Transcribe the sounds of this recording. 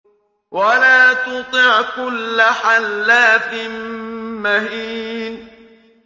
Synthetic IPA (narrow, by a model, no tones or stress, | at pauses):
walaːt̪ʊt̪ˤɨʕkʊlːaħalːaːθɪmmahiːn